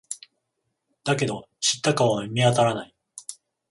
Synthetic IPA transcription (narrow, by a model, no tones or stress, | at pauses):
d̪̥ake̞d̪o̞ | ɕi̥t̪ːakaβamʲiat̪aɾanai